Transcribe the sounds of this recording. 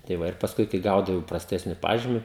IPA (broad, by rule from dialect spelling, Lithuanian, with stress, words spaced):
tɐɪ ˈʋɐ ɪr pɐsˈkʊɪ kɐɪ ˈɡɐʊdɐʋɐʊ prɐˈsʲtʲæːsʲnʲɪ ˈpɑːʒʲiːmʲɪ